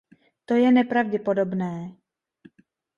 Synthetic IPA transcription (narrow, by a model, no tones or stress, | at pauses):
t̪o̞jɛnɛpɾavɟɛpo̞do̞bnɛː